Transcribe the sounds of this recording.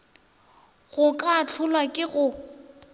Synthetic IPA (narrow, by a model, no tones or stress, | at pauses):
ɣʊkʼat͡ɬʰʊlwakʼɪɣʊ